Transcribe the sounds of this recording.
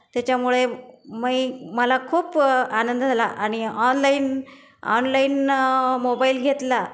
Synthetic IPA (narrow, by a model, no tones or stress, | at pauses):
t̪jat͡ɕjamuɭeməjməlakʰuːpanənd̪d͡zʱalaʔaɽ̃iɔnlain | ɔ̰nlainmobailɡʱet̪la